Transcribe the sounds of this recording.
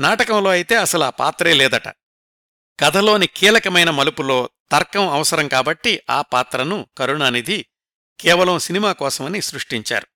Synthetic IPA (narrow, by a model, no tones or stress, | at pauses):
naːʈɐkɐmlo̞ːɐjit̪e̞ːɐsɐluaːpa̰ːt̪ɾeːlɛːd̪ɐʈɐ̰ | ɡ̥ɐd̪ʱɐlo̞ːnikiːlɐkɐmɐjnɐmɐlupulo̞ːt̪ɐɾkɐmɐʋɐsɐɾɐmkaːbɐʈːiaːpaːt̪ɾɐnukɐɾuɳaːnid̪i | kɛːʋɐlɐmsinimaːkɔːsɐmɐnisɾuʂʈiɲt͡ʃa̰ːɾu